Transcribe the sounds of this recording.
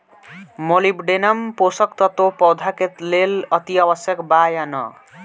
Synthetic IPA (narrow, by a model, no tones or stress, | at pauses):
molibɖenʌmposʌkt̪ʌt̪opɔwd̪ʱaket̪lelʌt̪iawʌsjʌkbajanʌ̰